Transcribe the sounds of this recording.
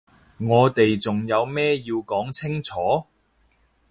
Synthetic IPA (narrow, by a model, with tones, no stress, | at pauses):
ŋɔː˨˧t̪e˨jt͡sʊ˨˩ŋjɐ˨˧wmɛː˥jiː˧wkɔː˨˥ŋt͡sʰɪ˥ŋt͡sʰɔː˨˥